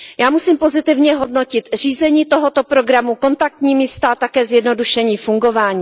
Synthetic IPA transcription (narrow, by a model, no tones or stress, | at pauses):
jaːmusiːmpo̞zɪt̪ɪvɲɛɦo̞dno̞cɪt̪riːzɛɲiːt̪o̞ɦo̞t̪o̞pɾo̞ɡɾamuko̞nt̪ak̚t̪ɲiːmist̪aʔt̪akɛːzjɛdno̞duʃɛɲiːfuŋɡo̞vaːɲiː